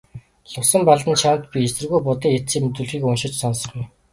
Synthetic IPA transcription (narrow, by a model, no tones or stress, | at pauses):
ɮʊsə̆mpaɮt̪ə̆nt͡ɕʰant̪̚pʲiesɘ̆rɣujpʊt̪ĭːŋet͡siːmɵt̪uːɮxiːkɵnʃɪ̆t͡ɕsɔnsɞ̆χɡuj